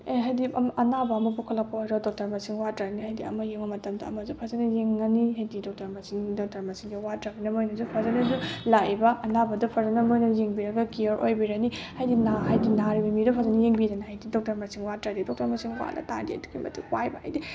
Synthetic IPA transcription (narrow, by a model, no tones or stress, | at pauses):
eɦajdimʔɐnabɐːmɐpukʰɐlɐk̚pʰojɾawdɔk̚tɐɾmɐsiŋwatɾaɾnihajdiɐ̰mɐjeŋbɐmɐtɐmdɐɐmɐzupʰazɐnɐjeŋːɐniɦajdidɔk̚tɐɾmɐsiŋdɔk̚tɐɾmɐsiŋdɐwatɾabinɐmojnɐzupʰazɐnɐzulajbɐʔɐnabɐdupʰazɐnɐmojnɐjeŋbiɾɐɡɐkiɐɾʔojbiɾɐnihajdinaɦajdinaɾibɐmidupʰazɐnɐjeŋbiɾɐnihajdidɔk̚tɐɾmɐsiŋwatɾadidɔk̚tɐɾmɐsiŋwa̰lɐ̰ta̰ndiɐ̰duɡimɐ̰tʰukwajbɐha̰jdi